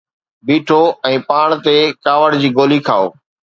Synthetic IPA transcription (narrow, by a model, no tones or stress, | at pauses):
biːʈʰoːɛ̃ːpaːɳt̪eːkaːʋəɽd͡ʑiːɡoːliːkʰaːo̰ː